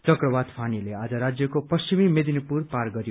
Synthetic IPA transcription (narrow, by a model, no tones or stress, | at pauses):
t͡sʌkrʌbad̪pʰanilead͡zʌɾad͡zjʌkopʌst͡ɕimimed̪inipurparɡʌɾjo